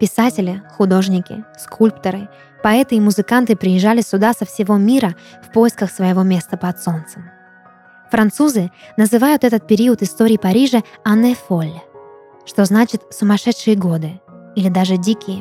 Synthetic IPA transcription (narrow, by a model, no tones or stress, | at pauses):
pʲɪsatʲɪlʲɪxʊd̪o̞ʐnʲɪkʲɪ̰skʰulʲpt̪əɾɨ | pɐɛt̪ɨimʊzɨkant̪ɨpɾʲɪjɪʐːalʲɪsʲʊd̪asəfsʲɪvo̞mʲiɾəfpo̞jɪskəxsvəjɪvo̞mʲe̞st̪əpɐt̪so̞nt̪sɨm | fɾɐnt̪suzɨnəzɨvajʊt̪ɛt̪ət̪̚pʲɪɾʲiət̪ɨst̪o̞ɾʲɪːpɐɾʲiʐɨanːɨfo̞lʲː | ʂt̪o̞znat͡ɕɪt̪sʊmɐʂɛt̪ʂɨjɪɡo̞d̪ɨilʲɪd̪aʐɨdʲikʲɪjə